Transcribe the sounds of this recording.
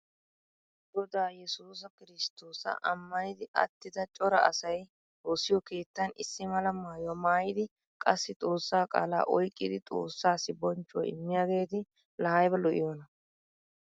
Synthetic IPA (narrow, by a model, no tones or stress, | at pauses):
ɡ̪ɔd̪aːjɛsuːs̬ɐkɪɾɪst̪o̞ːsɐ̰ʔɐmːɐnɪd̪ɪʔɐ̰t̪ːɪd̪ɐt͡ʃʼɔɾɐʔɐ̰sɐj | oːsɪjɔke̞ːt̪ːɐnɪsːɪmɐlɐmaːjwɐmaːjɪd̪ɪ | kʼɐsːɪt̪ʼo̞ːsːaːkʼa̰ːla̰ːʔɔjkʼːɪd̪ɪt̪ʼo̞̰ːsːaːsɪbɔnt͡ʃːʊw̰ɪ̰mːɪjaːɡe̞ːt̪ɪ | lɐhɐjbɛlɔʔɪ̰jɔːnɐ